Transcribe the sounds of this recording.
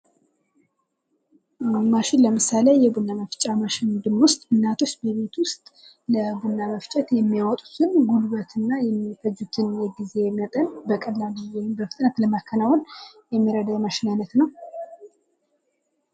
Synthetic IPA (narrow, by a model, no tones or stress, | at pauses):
maʃɪnləmɨsalejɛbunːaməft͡ʃʼamaʃɪnd̪ɨmwʊst̪ʼɨnːat̪ʰo̞t͡ʃːbəβe̞t̪wʊst̪ʼ | ləbunːaməft͡ʃʼɛt̪jɛmːijawɔt̪ʼu̥t̪ʰɨnɡulβət̪ʰɨnːajɛmːifəd͡ʒːut̪ʰɨnjɛɡize̞jɛmːiat̪ʼənbəkʼəlːabijenɨmbəfɨt̪ʼnət̪ləmakʰːənawunjɛmːiɾəd̪əwmaʃɪnanət̪nəw